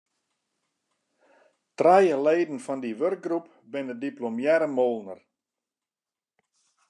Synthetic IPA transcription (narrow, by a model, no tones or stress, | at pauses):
trajəleːdən̩fɔndiʋørk̚ɡrup | bɪnədiplomjɛɾəmolˠnər